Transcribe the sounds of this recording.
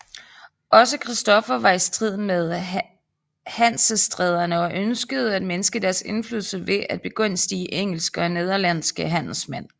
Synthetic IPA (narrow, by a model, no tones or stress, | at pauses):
ʔɒ̽səkʰʁisd̥ɒ̽fɐʋɑ̈isd̥ʁið̞̰ˠn̩með̞ˠ | hæn̰səsd̥ʁɛð̞ˠɐnəɒ̽ʔønsɡ̥əð̞̩ˠæd̥menəsɡ̥əd̥æɐse̝nflyːðˠl̩sɐʋe̝ʔæd̥̚b̥e̝ɡ̥ɔ̽n̰sd̥iːʔeŋ̰l̩sɡ̥əɒ̽ne̝ð̞ˠɐlæn̰sɡ̥əɦæn̰l̩smæn̰